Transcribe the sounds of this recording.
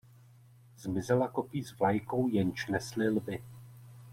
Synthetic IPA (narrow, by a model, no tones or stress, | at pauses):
zmɪzɛlako̞piːzvlajkowjɛnt͡ʃnɛslɪlbɪ